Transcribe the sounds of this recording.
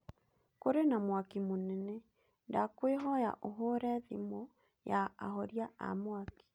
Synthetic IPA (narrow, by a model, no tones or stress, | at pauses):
koɾenamwakimonɛnɛ | ndakweɦɔja̰ʔoɦoɾɛðimo | ja̰ːɦɔɾjaa̰mwaki̥